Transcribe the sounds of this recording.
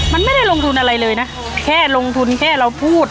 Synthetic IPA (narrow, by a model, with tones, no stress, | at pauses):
ma˧nma˥˩jda˥˩jlo˧ŋt̪ʰu˧nʔa˧ɾa˧jlɤː˧jna˦˥ʔkʰɛː˥˩lo˧ŋt̪ʰu˧nkʰɛː˥˩ɾa˧wpʰuː˥˩t̪̚